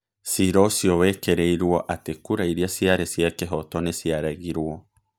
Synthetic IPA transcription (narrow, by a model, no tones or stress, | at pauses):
siɾɔsjɔwɛkeɾeiɾwɔʔatekuɾaiɾiasjaɾesjakeɦɔtɔnesjaɾaɣiɾwɔ